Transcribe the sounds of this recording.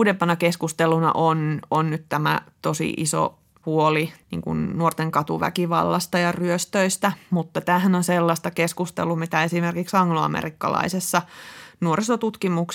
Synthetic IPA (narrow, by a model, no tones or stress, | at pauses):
dempɑnɑkeskust̪elunɑ̰ʔononnyt̪t̪æmæ̰t̪osḭʔiso̰ | puolinḭːŋkṵnnuort̪eŋkɑt̪uʋæ̰kiʋɑ̰lːɑst̪ɑjɑryøst̪øist̪æmut̪ːɑt̪æːhænonselːɑst̪ɑkeskust̪ḛlumit̪æesimerkiksɑŋːloɑ̰mḛrikːɑ̰lɑ̰isesːɑnuoɾisot̪ut̪kimuks